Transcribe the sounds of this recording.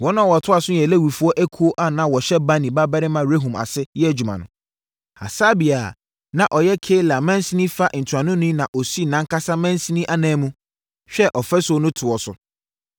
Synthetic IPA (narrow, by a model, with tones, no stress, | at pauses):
wɔ˦nã˦˨wɔ˨tʰʊ˦a˨sʊ˦jɛ˨le˦wi˨fu˦ɔ˦ʔæ˦kʰu˦o˦ʔa˨nã˨wɔ˨ɕɛ˦ba˦nĩ˨ba˦bɛ˦ɾɪ˦mã˨ɾe˦ɦũ˨ma̰˨sɪ˦jɛ˦˨d͡ʑu˨mã̰˨nʊ̰̃˨ | a̰˨sa˦bi˨a˨ | nã˨ʔɔ˨jɛ˦kʰeː˦la˨mɛ̃˦n˦si˦nĩ˦fa˦ʔn̩˨tʰu˨ã˨nʊ̃˦nĩ˦nã˨ʔɔ˨si˦nã˦ŋkʰa˦sa˦mɛ̃˦n˦si˦nĩ˦ʔa˦nɛ̃ː˨˦mũ˦ | ɕᶣɛ˦ʔɔ˨fɛ˦so˨˦nʊ̃˦tʰʊ˨ɔ˨sʊ˨